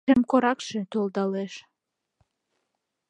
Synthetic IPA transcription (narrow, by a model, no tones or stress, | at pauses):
emkoɾɑkʃĕt̪olˠd̪ɑleʃ